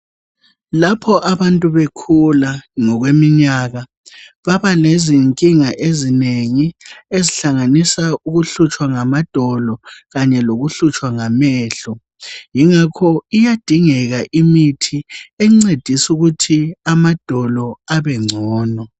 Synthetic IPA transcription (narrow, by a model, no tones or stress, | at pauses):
lapʰɔʔaβantʼuβekʰulaŋɔɣwemiɲaːɣa | βaβaleziŋkʼiŋaʔezineŋieziɬaŋanisauɣuɬut͡ʃʼwaŋamad̥ʱɔlɔɣaɲɛloɣuɬut͡ʃʼwaŋamɛːɬɔ | jiŋakʰɔijad̥ʱiŋɛɣaʔimitʰiɛŋ͡ǀed̥ʱisuɣutʰiamad̥ʱɔlɔaβɛŋ͡ǀʱɔːnɔ